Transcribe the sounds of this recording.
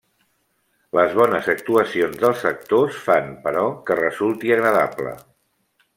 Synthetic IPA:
ləzβɔnəzək̚t̪uəsionzðəlˠsək̚t̪osfanpəɾɔkərəzulˠt̪iəɣɾəða̰plə̰

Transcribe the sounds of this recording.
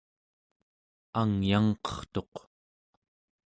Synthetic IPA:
aŋjaŋqʌ̥χt̪o̞q

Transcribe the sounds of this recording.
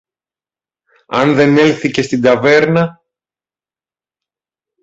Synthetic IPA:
ɐnðe̞ne̞lθice̞st̪id̪ɐve̞ɾnɐ

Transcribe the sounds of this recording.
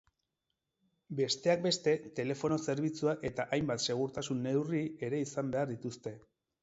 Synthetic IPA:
be̞st̪e̞ak̚be̞st̪e̞t̪e̞le̞fo̞no̞se̞ɾβit͡suaʔe̞t̪aʔajmbat̪se̞ɣ̞uɾt̪asunːe̞wrie̞ɾe̞isambe̞aɾðit̪ust̪e̞

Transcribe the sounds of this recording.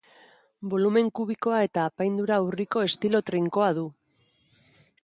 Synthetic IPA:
bo̞lume̞ŋkuβ̞iko̞ae̞t̪aːpajnd̪uɾauriko̞e̞st̪ilo̞t̪ɾiŋko̞aðu

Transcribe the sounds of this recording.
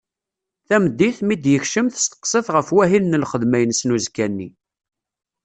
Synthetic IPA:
θæməd̪ːiθmid̪jəçʃəmθə̥st̪ə̥qsəθʁəfwæɦilnəlχəðmæjənsnuzkænːi

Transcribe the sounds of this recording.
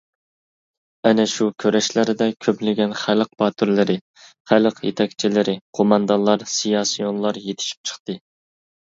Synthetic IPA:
ɛnɛʃukʲʰøɾɛʃlɪɾɪd̪ɛkʲʰøplɪɡʲɛnχælq̚bɑt̪ʰyɾlɪɾɪ | χæləqjḛt̪ʰɛkʲt͡ʃʰilɪɾɪqʰomɑnd̪ɑnlˠɑɾsijɑsijonlˠɑɾjet̪ʰɪ̥ʃi̥p̚t͡ʃʰə̥χt̪ɨ

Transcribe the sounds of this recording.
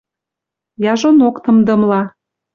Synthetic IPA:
jɑʒonokt̪ɤ̆md̪ɤ̆mlɑ

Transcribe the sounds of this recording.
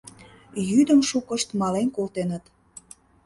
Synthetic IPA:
jyd̪əmʃukəʃt̪mɑlenkolt̪enət̪

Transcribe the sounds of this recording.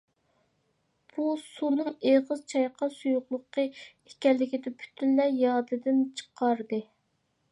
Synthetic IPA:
b̥usunɨŋeʁəzt͡ʃʰɑjqʰɑsujʊχlˠʊqʰːə | ekʲɛlːɪkʲid̪ɛpʰy̥t̪ʰynlɛjɑːd̪ɨd̪ɪnt͡ʃʰə̥qʰɑɾd̪ɨ

